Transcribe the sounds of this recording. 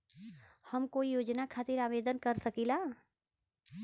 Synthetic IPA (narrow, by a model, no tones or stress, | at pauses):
hɐmkoːijoːd͡ʒnakʰaːt̪ɪɾaːʋeːd̪ənkɐɾsɐkilaː